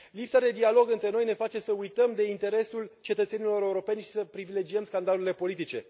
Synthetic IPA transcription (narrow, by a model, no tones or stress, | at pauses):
lipsad̪e̞d̪ialo̞ɡɨnt̪ɾe̞no̞jne̞fat͡ʃe̞səujt̪əmd̪e̞int̪e̞ɾe̞sult͡ʃe̞t̪ət̪senilo̞ɾe̞uɾo̞pe̞nʲʃi̥səpɾivile̞d͡ʒiəmskand̪aluele̞po̞lit̪it͡ʃe̞̰